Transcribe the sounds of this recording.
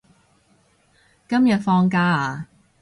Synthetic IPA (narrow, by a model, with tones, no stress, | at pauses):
kɐ˥mjɐ˨t̚fɔː˧ŋkaː˥aː˨˧